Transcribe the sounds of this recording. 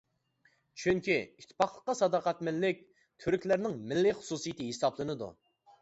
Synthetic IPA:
t͡ʃʰyŋkʲiit̪ʰːɪ̥pʰɑχlˠəqːɑsɑd̪ɑqæt̪mɪlːɪkʲ | kʲʰyɾykʲlæɾnɪŋmɪlːɪχʊ̥susijit̪ʰɨɦesɑblˠɨnɨd̪ṵ

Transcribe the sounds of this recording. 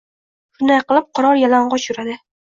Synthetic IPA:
fʊnajqɨlˠɪp̚qʰɒɾɒɾjalaɴʁɒt͡ʃʊɾad̪ɪ

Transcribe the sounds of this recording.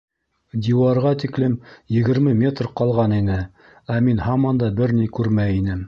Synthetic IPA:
d̪ʲiwɑɾʁɑt̪iklɘmjɘ̆ɡɘ̆ɾmɘmʲe̞t̪rqɑlˠʁɑninɘ | æminhɑmɑnd̪ɑbɘɾnijkʉɾmæinɘm

